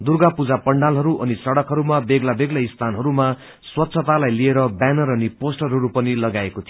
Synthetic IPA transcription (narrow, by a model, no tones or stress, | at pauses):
d̪urɡapud͡zapʌɳɖalɦʌɾuʔʌnisʌɽʌkɦʌɾumabeɡlabeɡlaist̪ʰanɦʌɾuma | swʌt̪sʰʌt̪alajlieɾʌbanʌrʌniposʈʌrɦʌɾupʌnilʌɡaekot̪ʰi